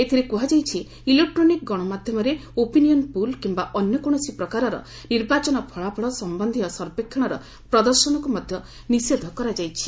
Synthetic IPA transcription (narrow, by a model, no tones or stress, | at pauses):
et̪ʰiɾekuɦad͡ʒajt͡ʃʰi | ilek̚ʈɾonik̚ɡɔɽ̃ɔmad̪ʱjɔmɔɾeopinijɔnpulkimbaʔɔnjɔkɔɽ̃ɔsipɾɔkaɾɔɾɔ̰ | niɾbat͡ʃɔnɔpʰɔɭapʰɔɭɔsɔmbɔnd̪ʱijɔsɔɾpekʰːɔɽ̃ɔɾɔ | pɾɔd̪ɔɾsɔnɔkumɔd̪ʱjɔ | nised̪ʱɔkɔɾad͡ʒajt͡ʃʰi̥